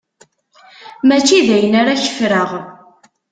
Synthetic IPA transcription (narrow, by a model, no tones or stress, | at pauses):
mæt͡ʃːiðæjənaɾaçə̥fɾəʁ